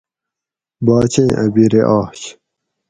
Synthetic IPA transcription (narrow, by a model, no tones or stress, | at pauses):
baːt͡ɕẽːʔɐbiɾeʔaːɕ